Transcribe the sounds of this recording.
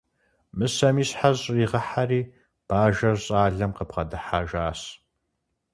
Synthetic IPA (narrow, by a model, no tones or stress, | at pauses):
mɨsɐmiːsħaʑʼriːʁɐħariː | b̥aːʒɐrɕʼaːɮɐmqəp̚qɐdɨħaːʒaːɕ